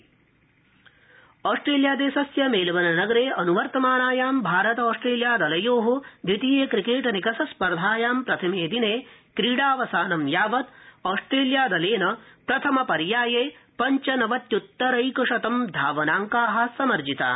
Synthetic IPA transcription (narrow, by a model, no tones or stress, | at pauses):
ɔːsʈɾeːljaːd̪eːʃɐsjɐmeːlɐʋɐnɐnɐɡɐɾeːʔɐnuʋɐɾt̪ɐmaːnaːjaːmbʱaːɾɐt̪ɐɔːsʈɾeːljaːd̪ɐlɐjoːɦud̪ʱʋit̪iːjeːkɾikeːʈɐnikɐsɐspɐɾd̪ʱaːjaːmpɾɐt̪ʰɐmeːd̪ineːkɾiːɽaːʋɐsaːnɐmjaːʋɐt̪ɔːsʈɾeːljaːd̪ɐleːnɐpɾɐt̪ʰɐmɐpɐɾjaːjeːpɐɲt͡ʃɐnɐʋɐt̪jut̪ːɐɾɐjkɐʂɐt̪ɐmd̪ʱaːʋɐnaːŋkaːɦɐ̆sɐmɐɾd͡ʒit̪a̰ː